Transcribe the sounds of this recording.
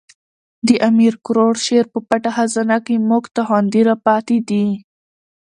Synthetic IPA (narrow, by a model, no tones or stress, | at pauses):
d̪əʔamiɾkʊɾoɽʃeɾpəpaʈahazanakemoɡt̪aɦand̪iɾapɑt̪ed̪i